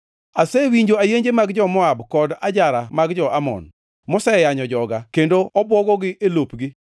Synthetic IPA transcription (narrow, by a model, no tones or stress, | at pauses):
asewiɲd͡ʒoajeɲd͡ʒemaɡd͡ʒɔmɔabkɔdad͡ʒaɾamaɡd͡ʒɔʔamɔ̰n | mɔsɛjaɲɔd͡ʒɔɡakendoɔbwɔɡɔɡɪʔelopɡɪ